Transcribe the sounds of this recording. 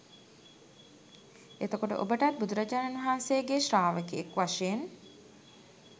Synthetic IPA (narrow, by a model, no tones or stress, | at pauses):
et̪okoʈə̰ʔo̰bəʈat̪̚bud̪uɾəd͡ʒaːnanʋɐɦansejəɡeʃɾaːʋəkiekʋaʂeen